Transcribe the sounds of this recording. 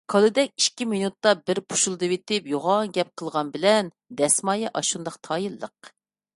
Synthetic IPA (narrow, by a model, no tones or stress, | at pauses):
kʰɑlˠɨd̪ɛkʲiʃkʲiminut̪ːɑbɪɾpʰu̥ʃulˠd̪ɨwet̪ɪpjoʁɑŋɡʲɛp̚qʰəlˠʁɑnbɪlɛn | d̪ɛsmɑjɑʔɑʃund̪ɑqt̪ʰɑːjɨlˠːə̰q